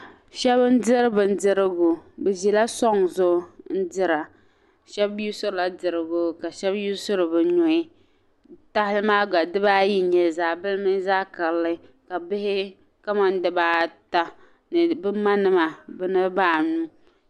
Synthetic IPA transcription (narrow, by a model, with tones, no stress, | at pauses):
ʃɛ˦bɨ˦n̩˦dɨ˦ɾɨ˦bɨ˨n̩˦dɨ˦ɾɨ˦ɡʊ˨bɛ˨ʒi˨la˦sɔ˦ŋzʊ˦n̩˦dɨ˦ɾa˨ | ʃɛ˦bu˦sʊ˦ɾɨ˨la˦dɨ˨ɾɨ˦˨ɡʊ˦ka˨ʃɛ˦bju˦sʊ˦ɾɨ˨bɨ˨ɲʊ˨ɪ˦ | ta˦hɪ˦lɨ˦maː˦ɡa˨dɨ˦baː˦ji˦ɲɛ˨zaː˨bɨ˦lmɨ˦n˦zaː˦ka˨lːɨ˦ka˨bɪ˦hɪ˦ | ka˦ma˦n˦dɨ˦baː˦ta˦ | nɨ˨bɨ˦ma˦nɨ˦ma˨bɨ˦nɨ˦baː˦˨nu˦